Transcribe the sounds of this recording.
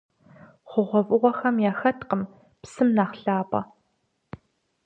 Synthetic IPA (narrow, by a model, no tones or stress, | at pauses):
χʷʊʁʷɔvʼʊʁʷɔxɐmjaːxɐtqəm | psɨmnaːχɬaːpʼɐ̰